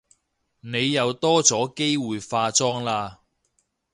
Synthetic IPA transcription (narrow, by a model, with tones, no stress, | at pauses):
ne˨˧jːɐ˨˧wt̪ɔː˥t͡sɔː˨˥ke˥jwuː˨jfaː˧t͡sɔː˥ŋlaː˧